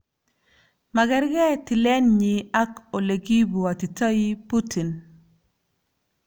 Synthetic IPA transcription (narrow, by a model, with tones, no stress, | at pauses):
ma˨ɡɛ˦ɾɡɛ˦tɪ˨lɛ˦nɲi˨a˦ko˨le˨ɡi˦bu˨a˨ti˨tɔ˦i˦pu˦tʰi˨n